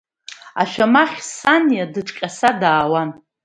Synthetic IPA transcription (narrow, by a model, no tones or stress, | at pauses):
a̰ʃᶣamaχʲsanjadɨʈ͡ʂʼkʲʼasadaːwan